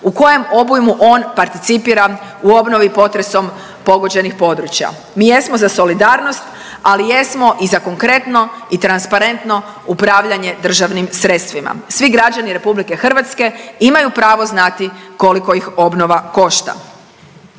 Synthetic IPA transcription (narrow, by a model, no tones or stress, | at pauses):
uko̞je̞mo̞bujmuʔo̞ːnpaɾt̪it̪sipiɾauo̞bno̞ʋipo̞t̪ɾe̞so̞m | po̞ɡo̞d͡ʑe̞nixpo̞d̪ɾut͡ɕja̰ | miːje̞smozaso̞lid̪aːɾno̞st̪ | alijesmo̞ʔizako̞ŋkɾe̞t̪no̞it̪ɾanspaɾe̞nt̪no̞ | upɾaʋʎaɲe̞d̪r̩ʒaʋnimsɾe̞t̪st̪ʋima̰sʋiɡɾad͡ʒaniɾe̞publike̞xr̩ʋat̪ske̞imajupɾaːʋo̞znat̪iko̞liko̞ixo̞bno̞ʋako̞ʃt̪a̰